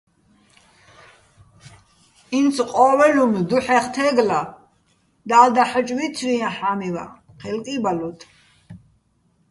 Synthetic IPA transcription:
insʰqʼɔːwɛlumd̪uħɛχt̪ʰɛːɡla | d̪aːd̪aħət͡ʃʼvit͡s̪ʰɾiãħaːmiva̰ | qʰɛlkʼibalut̪ʰ

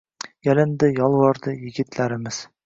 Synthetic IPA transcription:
jalɪnd̪ɪjɒlˠvɒɾd̪ɪjɪɡʲɪt̪ʰlaɾɪmɪz̥

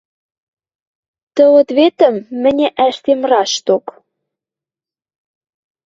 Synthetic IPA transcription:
t̪ə̆wɤ̆t̪βet̪ə̆mːɘ̆nʲĕʔæʃt̪emrɑʃt̪ok

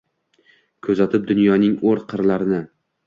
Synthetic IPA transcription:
kʰɵzat̪ʰɪp̚d̪ʊnjɒnɪŋoɾqʰɨɾlaɾɪnɪ

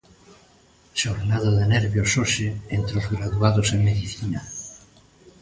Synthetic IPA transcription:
ʃoɾnaðoðeneɾβjosoʃeent̪ɾozɣɾaðuaðosemeðiθina

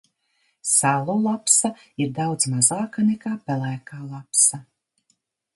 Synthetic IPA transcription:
salˠulˠapsaiɾd̪awd̪zmazaːkanɛkaːpɛlæːkaːlˠapsa

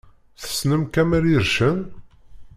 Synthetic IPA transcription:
θə̥snəmkæmæɾiɾʃən

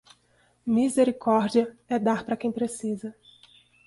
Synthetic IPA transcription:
mizeɾikɔɾd͡ʒiɐɛd̪aɾpɾɐkẽj̃pɾesizɐ

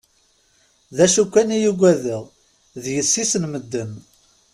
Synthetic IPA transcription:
ðæʃukʷːænijuɡʷæðəʁ | ðjəsːisənməd̪ːəm

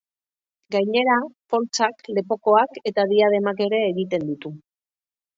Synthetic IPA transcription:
ɡajɲe̞ɾapo̞lt͡sakle̞po̞ko̞ake̞t̪aðiaðe̞make̞ɾe̞ːɣit̪e̞nd̪ut̪u

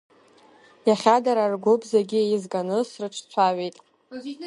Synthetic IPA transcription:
jaχʲadaɾarɡʷobzaɡʲiejɪzkʼanɨsrɨʈ͡ʂʰt͡sʷʰaɥejtʼ

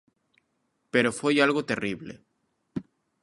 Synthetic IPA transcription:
peɾofejalɣot̪eriβlḛ

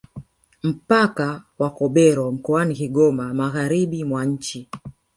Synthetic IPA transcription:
m̩pakawakɔɓɛɾɔm̩kɔanikiɡɔmamaɣaɾiɓimwaɲ̩t͡ʃi

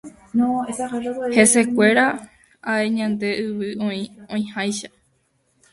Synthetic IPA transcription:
nõehe̞se̞kʷe̞ɾa | ae̞ɲãnd̪e̞ʔɨʋɨõĩõĩhajʃa

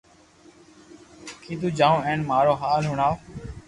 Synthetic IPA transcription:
kʰiːt̪̬uːd͡ʒaːõːẽːɳmaːɾoːɦaːlɦʊɳaːf

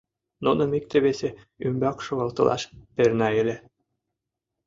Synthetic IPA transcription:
nunɤ̆mik̚t̪ĕβese | ymbɑkʃoɣɑlt̪ɤ̆lʔɑ̰ʃpernɑĕlʲĕ

